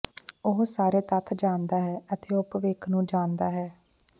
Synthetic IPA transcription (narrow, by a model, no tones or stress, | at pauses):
ʊɦsaːɾeːt̪ət̪ʰd͡ʒaːnd̪aːɦɛːət̪eːʊpʋɪkʰnũːd͡ʒaːnd̪aːɦɛː